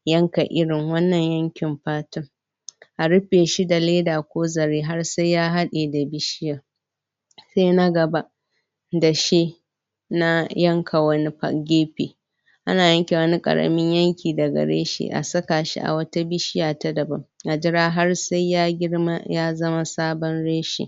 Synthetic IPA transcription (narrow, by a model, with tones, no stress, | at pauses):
jɐ˦ŋka˨ʔɪ˦ɽɪ˨ŋwɐ˦nːɐ˨ɲjɐ˦ŋkʲɪ˨mɸaː˦tʊ˦ŋ | ʔa˨ɽɪ˦ɸeː˨ʃi˦da˨leː˦daː˨kʷoː˦zɐ˨ɾeː˦ɦa˦rsa˦jjaː˦ɦa˦ɗeː˨da˨bɪ˦ʃɪ˦jaː˨ | sa˦na˦ɡɐ˨ba˦ʔ | da˨ʃi˦ | na˦jɐ˦ŋkʰa˨wɐ˦ni˦ɸa̰˦˨ɡʲeː˦ɸḛː˨ | ʔa̰˦naː˨jɐ˦ŋkʲe˨wɐ˦ni˦kʼɐ̰˨ɽɐ̰˨mɪ˦ɲjɐ˦ŋkʲʰiː˨dɐ˨ɡɐ̰˨ɽḛː˦ʃḛ˨ʔa̰˨sɐ˦kaː˨ʃḭ˦ʔa̰˨wɐ˦ta˦bɪ˦ʃɪ˦jaː˨ta˦dɐ˨bɐ˦mʔa˨d͡ʒɪ˦ɾaː˦ɦa˦rsa˦jːaː˦ɡʲɪ˦ɽma̰˦jaː˦zɐ˦ma˦saː˦bɔ˦nɽeː˦ʃḛː˨